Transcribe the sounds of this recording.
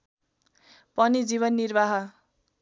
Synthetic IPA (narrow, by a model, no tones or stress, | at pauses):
pʌnid͡ziβʌnːirbaɦʌ